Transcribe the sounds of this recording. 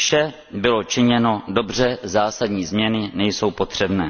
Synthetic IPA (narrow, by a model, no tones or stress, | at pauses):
fʃɛ | bɪlo̞t͡ʃɪɲɛno̞do̞brɛzaːsadɲiːzmɲɛnɪnɛjso̞wpo̞t̪r̝̥ɛbnɛː